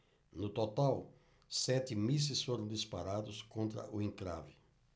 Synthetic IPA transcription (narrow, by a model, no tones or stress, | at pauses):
nʊt̪ot̪aw | sɛt̪ɪmis̬ɪsfoɾɐ̃w̃d̪ispaɾad̪ʊskõnt̪ɾɐ̰ʔʊẽŋkɾa̰vɪ